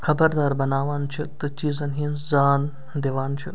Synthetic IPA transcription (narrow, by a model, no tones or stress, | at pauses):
xʰɐbɐɾd̪aːɾbɐnaːʋaːnt͡ʃʰit̪ɨt͡ʃiːzɐnɦinzaːn | d̪eʋaːnt͡ʃʰi